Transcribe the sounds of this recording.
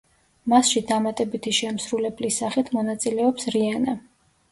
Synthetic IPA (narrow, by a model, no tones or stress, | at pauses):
masʃid̪amat̪ʼɛbit̪ʰiʃɛmsɾulɛblisaχit̪ʰmɔnat̪sʼilɛɔpsɾiana